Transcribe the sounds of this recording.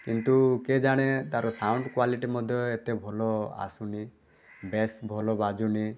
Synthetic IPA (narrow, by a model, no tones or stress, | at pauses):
kint̪uked͡ʒaɽ̃et̪aɾɔsawɳɖkwaliʈimɔd̪ʱjɔet̪ebʱɔlɔa̰suni | besbʱɔlɔbad͡ʒuni